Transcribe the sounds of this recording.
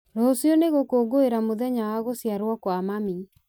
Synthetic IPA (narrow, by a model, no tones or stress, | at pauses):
ɾosjɔneɣokoːɡoeɾamoðɛɲawaɣosjaɾwɔkwamami